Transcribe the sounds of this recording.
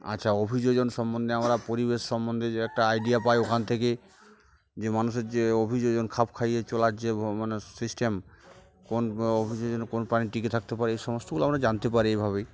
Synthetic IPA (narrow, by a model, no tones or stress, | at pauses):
a̰ːɕʰaobʱid͡ʑod͡ʑonʃɔmːɔnd̪ʱeamɾapoɾibeʃːɔmːond̪ʱeɛk̚ʈaajɖiapajokʰant̪ʰeke | d͡ʑemanuʃeɾd͡ʑeobʱid͡ʑod͡ʑonkʰapkʰajet͡ɕɔlaɾd͡ʑemanesisʈem | konobʱid͡ʑod͡ʑonkonpɾaniʈiket̪ʰak̚t̪epaɾeejʃɔmost̪oɡuloamɾad͡ʑant̪epaɾiejbʱaβe